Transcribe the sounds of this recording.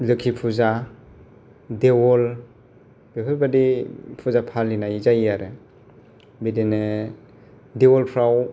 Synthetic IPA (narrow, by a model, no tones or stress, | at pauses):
lɯkʰipʰuza | dewɔl | b̥eɦʰɯlbadipʰuzapʰalinaizaiaɾe | bidene | dewɔlpʰɾaw